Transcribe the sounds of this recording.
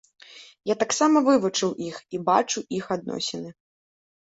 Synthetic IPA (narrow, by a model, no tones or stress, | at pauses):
jat̪aksamɐvɨvut͡ʂɨwʔixiba̰t͡ʂuʔixad̪̚nɔ̰sʲɛnɨ